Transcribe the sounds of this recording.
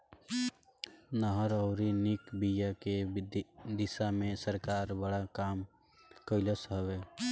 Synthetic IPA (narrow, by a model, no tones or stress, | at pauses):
nəɦəɾɔʊɾinikbijake | d̪ɪsamẽsəɾkaːɾbəɽakaːm | kəɪləsɦəweː